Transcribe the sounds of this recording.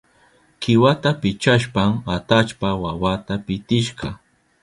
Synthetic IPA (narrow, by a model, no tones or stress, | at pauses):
kɪwat̪apɪt͡ʃaʃpamat̪at͡ʃpawawat̪apɪt̪ɪʃɢɑ